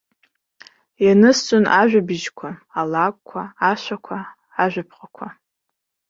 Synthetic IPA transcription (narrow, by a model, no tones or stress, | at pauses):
janɨst͡sʼonaʒᶣabɪʒkʷʰaalakʷʼkʷʰaaʃʷakʷʰa | aʒᶣʷapʰχʼakʷʰa